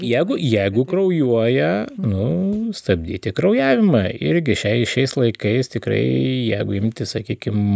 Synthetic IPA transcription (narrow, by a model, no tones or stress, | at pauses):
jɛɪɡʊjɛɪɡʊkrɐʊjuɔjɛnʊst̪ɐb̚ʲd̪ʲiːt̪ʲɪkrɐʊjæːʋʲɪmɐɪɾʲɡʲɪʃʲɛɪʃʲɛɪslˠɐɪkɐɪst̪ʲɪkɾɐ̰ɪjɛɪɡʊɪmʲt̪ʲɪsɐkʲiːkʲɪm